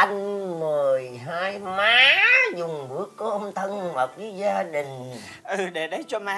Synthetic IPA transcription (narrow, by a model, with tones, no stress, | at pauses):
ʔa˧ŋ̟mɨ˨˩ə˩jɦaː˧jmaː˨˦zʊ˨˩ŋ͡mɓɨ˨˦əkːo˧˦˧ʔə˧wŋ͡mt̪ʰə˧nməː˨˩t̚vi˨˦zaː˧ɗï˨˩ŋ̟ | ʔɨ˨˩ɗe˧˩ɗə˨˦jt͡ɕɔ˧ma˨˦